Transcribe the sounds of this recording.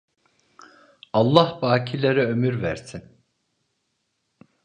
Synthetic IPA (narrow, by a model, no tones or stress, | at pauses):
ɑlˠːahbaːcʰilʲeɾɛømyɾvæ̰ɾsin